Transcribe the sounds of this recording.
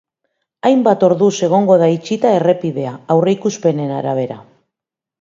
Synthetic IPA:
ajmbat̪o̞ɾðuse̞ɣ̞o̞ŋɡo̞ð̞ait͡ʃit̪ae̞re̞piðe̞aawre̞ikuspe̞ne̞naɾaβ̞e̞ɾa̰

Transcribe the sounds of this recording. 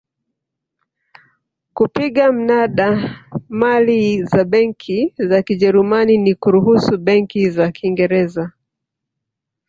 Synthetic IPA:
kupiɠam̩naɗamalizaɓɛŋkʰizakiʄɛɾumaninikuɾuɦusuɓɛŋkizakʰiŋɡɛɾɛza

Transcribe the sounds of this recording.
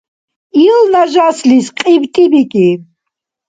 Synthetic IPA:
ilnaʒaslisqʼibt̪ʼibikʼi

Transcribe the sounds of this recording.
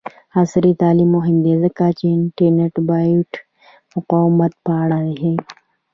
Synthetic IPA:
asɾit̪aːlimoɦind̪ezɐkaːt͡ʃeɪɳʈɐɾneʈbaːʈ | mʊqaːwmɐt̪̚paːɽaeɦẽː

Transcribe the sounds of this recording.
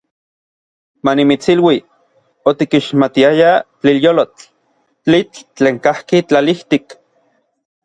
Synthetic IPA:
manimit͡silwi | ot̪ikiʃmat̪iajat͡ɬiljolot͡ɬ | t͡ɬit͡ɬt͡ɬeːŋkahkit͡ɬaliht̪ik

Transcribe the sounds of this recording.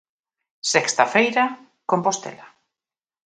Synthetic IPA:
sɛkst̪afejɾa | kompost̪ḛla

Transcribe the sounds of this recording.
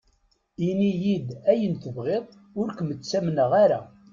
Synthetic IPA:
inijid̪æjənθəvʁeðˤ | ʊɾkəmət͡sːæmnəʁaɾæ

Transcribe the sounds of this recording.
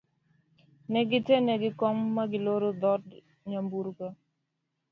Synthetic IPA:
nɛɡɪtenɛɡɪkɔmːaɡɪloɾod̪ɔd | ɲambuɾka

